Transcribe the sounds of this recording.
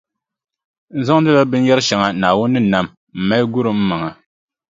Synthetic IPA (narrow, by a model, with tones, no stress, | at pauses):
n̩˦za˦ŋ˦dɨ˦la˦bɨ˦n˦jɛ˦ɾɨ˦ʃɛ˨ŋa˨naː˨wʊ˦nːɨ˦na˨m | m̩˨ma˦jɡʊ˦ɾɨ˨m̩˦ma˨ŋa˨